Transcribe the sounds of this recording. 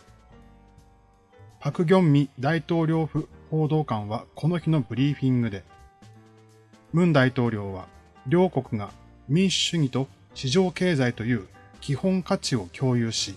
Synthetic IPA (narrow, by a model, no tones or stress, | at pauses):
pakɯ̟ɡʲõ̞mːʲid̪ait̪o̞ːɾʲo̞ːɸɯ̟ho̞ːd̪o̞ːkãɰ̃βakʰo̞no̞çino̞bɯ̟ɾʲiːɸʲĩŋɡɯ̟d̪e̞ | mɯ̟̃nd̪ait̪o̞ːɾʲo̞ːβa̰ | ɾʲo̞ːko̞kɯ̟ɡa | mʲĩɰ̃ɕɨɲ̟it̪o̞ | ɕiʑo̞ːke̞ːzait̪o̞jɯ̟ːkʲihõ̞ŋkat͡ɕio̞kʲo̞ːjɯːɕi